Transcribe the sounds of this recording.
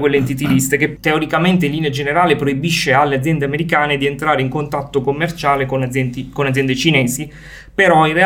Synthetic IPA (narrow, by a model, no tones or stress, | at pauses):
kwelːeːnt̪̬it̪ivist̪eket̪ːeoɾikament̪eilːinead͡ʒeneɾaːlepɾoibiʃːealːead̪zjɛnd̪eameɾikaːned̪ient̪ɾaːɾeiŋkont̪at̪ːokomːert͡ʃaːlekonikonːad̪zjɛnd̪et͡ʃinɛːsi | peɾɔire